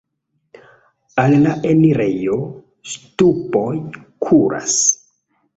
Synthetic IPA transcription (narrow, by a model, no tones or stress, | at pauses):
allaʔeniɾe̞jo̞ | stupojkʰuɾʔa̰s